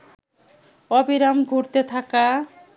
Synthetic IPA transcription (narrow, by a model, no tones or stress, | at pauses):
ɔbiɾamɡʱuɾt̪et̪ʰaka